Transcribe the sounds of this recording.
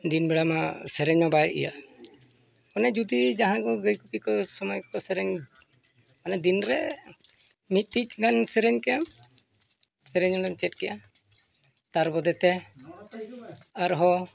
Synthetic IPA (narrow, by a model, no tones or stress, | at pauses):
d̪inbɛɽamasɛɾɛɲmabajʔḭja̰ | ɔnɛd͡ʒud̪id͡ʒaɦãkɔɡəjkupikɔsɔmɔjkɔsɛɾɛɲ | manɛd̪inɾɛ | mit̪̚ˀt̪ic̚ɡansɛɾɛɲkɛja | sɛɾɛɲaɖɔmt͡ʃɛt̚kɛja | t̪aɾbɔd̪ɛt̪ɛ | aɾɦɔ